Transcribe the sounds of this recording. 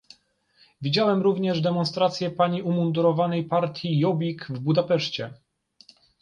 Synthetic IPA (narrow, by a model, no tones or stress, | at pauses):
vʲid͡ʑawɛmɾuvɲɛʐd̪ɛmɔnst̪ɾat̪sʲjɛpaɲiʔumund̪uɾɔvanɛjpaɾt̪ʲjijɔbʲikvbud̪apɛʂt͡ɕɛ̰